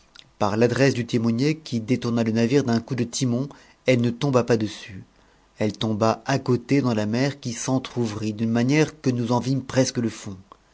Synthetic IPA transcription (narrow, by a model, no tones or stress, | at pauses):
paʁlad̪ʁɛsd̪yt̪emwaɲjekʲʰid̪et̪uʁnalənaviʁd̪ɛ̃kud̪ət̪imɔ̃ | ɛlnət̪ɔ̃bapad̪əsy | ɛlt̪ɔ̃baakot̪ed̪ɑ̃lamɛʁkʲisɑ̃t̪χuvʁid̪ynmanjɛʁkənuzɑ̃vimpχɛskələfɔ̃